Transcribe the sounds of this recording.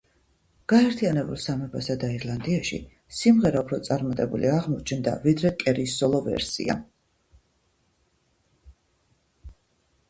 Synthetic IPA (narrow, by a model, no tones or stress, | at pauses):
ɡ̥aɛɾt̪ʰianɛbṵlˠsamɛbasad̪aiɾlˠand̪iaʃḭ | simʁɛɾaupʰɾɔt̪sʼaɾmat̪ʼɛbṵlḭaʁmɔt͡ʃʰnd̪a̰vid̪ɾɛkʼɛɾisɔlˠɔvɛ̰ɾsḭa̰